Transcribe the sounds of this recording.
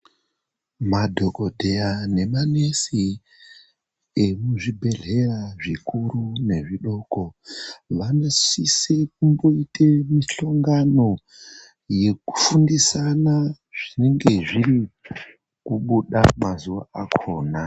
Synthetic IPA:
madʱo̞ko̞dʱe̞jane̞mane̞si | emuʐibʱe̞ɮe̞raʐikurune̞ʐiɗo̞ko̞ʋano̞sisek̚umbo̞itemiɬoŋɡano̞ | je̞ku̥fundisana | ʐ̥ine̞ŋɡe̞ʐiɾi | kuɓuɗa̰mazuʋaakʰo̞ːna

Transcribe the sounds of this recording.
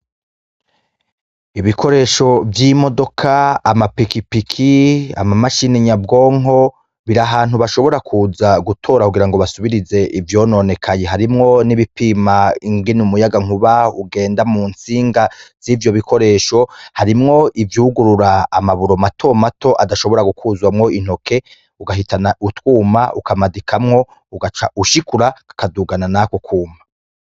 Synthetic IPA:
iβikʰo̞ɾe̞ːʃo̞vjimo̞do̞kʰaːmapikipikʰia̰mamaʃiniɲabɡo̞ːŋo̞ | βiɾaɦaːn̥uβaʃo̞βo̞ɾakʰuːzaɡutʰo̞ːɾakuɡiɾaŋɡo̞βasuβiɾize̞ʔivjo̞ːno̞ne̞kʰaɲe̞ɦaɾimŋo̞niβipimaiŋɡinumujaɡaŋ̥uβauɡe̞ːndamuːnt͡siːŋɡaz̥ivjo̞βikʰo̞ɾe̞ːʃo̞haɾimŋo̞ʔivjuːɡuɾuɾaːmaβuɾo̞matʰo̞mato̞ʔadaʃo̞βo̞ɾaɡukʰuzwamŋo̞in̥ho̞kʰe̞ | uɡaɦitʰanautwuːmaʔukamadikʰamŋo̞ | uɡat͡ʃa̰ʔuʃikuɾakḁkaduɡananakokʰuːma

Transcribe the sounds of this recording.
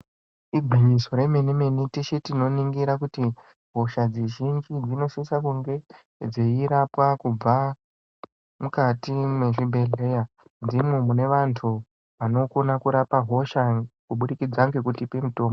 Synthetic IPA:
iɡʱiɲiso̞ɾe̞me̞nime̞nitiʃetino̞niŋɡiɾakuti | ɦo̞ʃad͡zeʒind͡ʒid͡zino̞sisakuŋɡe̞ | d͡zeiɾapwakub͡va | mukatime̞ʐibʱe̞ɮe̞ja | nd͡zimemune̞ʋantʰu | ʋano̞ko̞nakuɾapaɦo̞ʃakuɓuɗikid͡zaŋɡe̞kutipemito̞ːmbo

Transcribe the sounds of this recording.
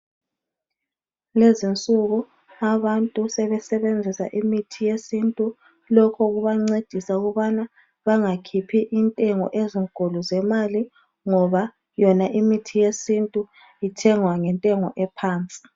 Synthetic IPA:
lezint͡sʼuɣu | aβantʼusɛβɛsɛβend͡zʱisa̰ʔimitʰijesintʼu | lɔkʰɔɣuβaŋ͡ǀed̥ʱisauɣuβana | βaŋakʰipʰiʔintʼɛŋɔ̰ʔeziŋɡ̥ʱoluzɛmali | ŋɔβa | jɔnaʔimitʰijesintʼu | itʰɛŋwaŋɛntʼɛŋɔʔɛpʰaːnt͡sʼi̥

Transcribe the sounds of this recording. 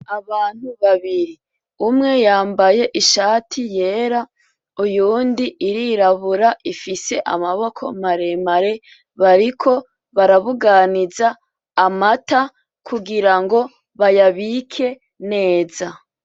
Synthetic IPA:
aβaːn̥huβaβiɾi | umŋe̞jaːmbaje̞ʔiʃaːtʰije̞ːɾa | ujuːndiʔːɾiɾaβuɾaʔifise̞ʔa̰maβo̞kʰo̞̰maɾemaɾe̞ | βaɾikʰo̞ | βaɾaβuɡanizaː | mata | kʰuɡiɾaŋɡo̞ | βajaβikʰe̞ | ne̞ːza

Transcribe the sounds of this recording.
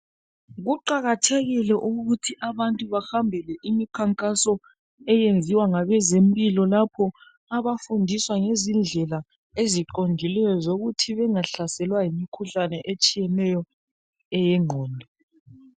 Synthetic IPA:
ɣuǃaɣatʰɛɣilɛʔuɣutʰiʔaβantʼuβaxambʱɛlɛʔimikʰaŋkʼasɔ | ɛjend͡zʱiwaŋaβɛzempʼilɔlapʰɔ | aβafundʱiswaŋezind͡ɮʱɛla | eziǃond͡ʒʱilɛjɔzoɣutʰiβɛŋaɬasɛlwajimikʰuɬanɛʔet͡ʃʼijɛnɛjɔ | ɛjɛŋ͡ǃʱɔːndʱɔ

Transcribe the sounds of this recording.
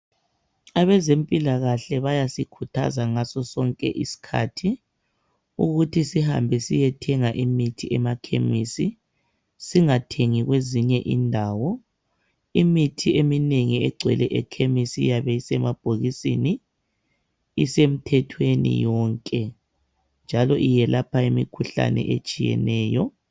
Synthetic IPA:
aβɛzempʼilaɣaɬɛβajasikʰutʰa̰zaŋasɔsɔŋkʼɛ̰ʔḭsi̥kʰa̰tʰi | ṵɣutʰisiha̰mbʱɛsijɛtʰɛŋaʔimitʰiʔɛmakʰḛmisi | siŋatʰeŋiɣweziɲɛʔindʱaːwɔ | imitʰiemineŋiɛɡ͡ǀʱwɛlɛʔɛkʰemisijaβɛisɛmab̥ʱoɣisḭni | sem̩tʰɛtʰwenḭjɔːŋkʼɛ | nd͡ʒʱalɔʔijɛlapʰaimḭkʰuɬa̰nɛ̰ʔet͡ʃʼijɛ̰nɛːjɔ

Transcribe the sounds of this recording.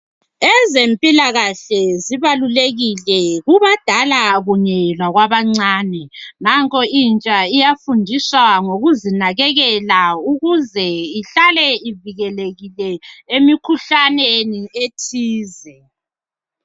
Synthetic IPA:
ɛzempʼilaɣaɬɛziβaluleɣilɛɣuβad̥ʱalaɣuɲɛlwaɣwaβaŋ͡ǀaːnɛŋaŋkʼɔint͡ʃʼaijafundʱiswaŋoɣuzinaɣɛɣɛlauɣuzɛiɬalɛiviɣɛleɣilɛemikʰuɬanenietʰiːzɛ

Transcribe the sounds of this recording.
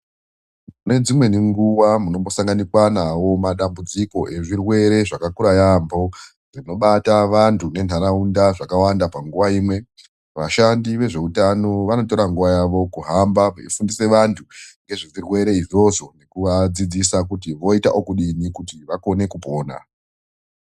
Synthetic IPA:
mune̞d͡zimwe̞niŋɡuwamuno̞mbo̞saŋɡanikwanawo̞maɗambud͡ziko̞ʔe̞ʐirwe̞ɾe̞ʐakakuɾajambo̞ | ʐino̞ɓataʋantʰune̞n̤ɦaɾaundaʐakawandapaŋɡuʋaiːmwe̞ | ʋa̰ʃandiʋe̞ʐe̞utano̞ʋano̞to̞ɾaŋɡuʋajaʋo̞kuɦambaifundise̞ʋantʰuŋɡe̞ʐiʐirwe̞ɾe̞iʐo̞ʐo̞ne̞kuʋad͡zid͡zisak̬ut̬iʋo̞ita̰ʔokuɗinikutiʋako̞ne̞kupo̞ːna̰

